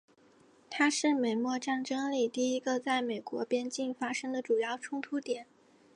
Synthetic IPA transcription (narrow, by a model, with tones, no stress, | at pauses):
t̪ʰa˥ʂɻ̩˥˩me˨˩ɪmwɔ˥˧ʈ͡ʂa˥˩ŋʈ͡ʂɤ˥ŋli˨˩t̪i˥˩i˥ɡə˧t͡sa˥˩ɪme˨˩ɪkwɔ˧˥pjɛ˥nt͡ɕi˥˩nfa˥ʂɤ˥ŋd̪ə˨ʈ͡ʂu˨˩jɑ˥˩ʊʈ͡ʂʰʊ˥ŋt̪ʰu˥t̪jɛ˨˩˦n